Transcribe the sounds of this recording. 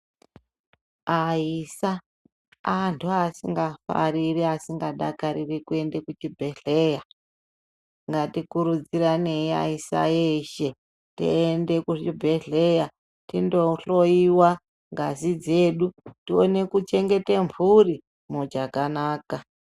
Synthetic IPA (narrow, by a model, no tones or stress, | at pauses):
aisa | antʰuasiŋɡafa̰ɾiriasiŋɡaɗa̰kaɾirikue̞nde̞kut͡ʃibʱeɮeja | ŋɡatikuɾud͡ziɾane̞ia̰isa̰jeʃe̞ | tḭende̞kuibʱe̞ɮeja | tindo̞ɬo̞iwa | ŋɡazid͡zeːɗutione̞kut͡ʃe̞ŋɡe̞teɱvuri | mod͡ʒakanaːka